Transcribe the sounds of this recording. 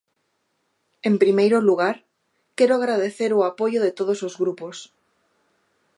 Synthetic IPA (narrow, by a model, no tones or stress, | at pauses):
ẽmpɾimejɾoluɣ̞aɾ | kɛɾoaɣɾaðeθeɾoapojoðet̪oð̞osozɣɾupos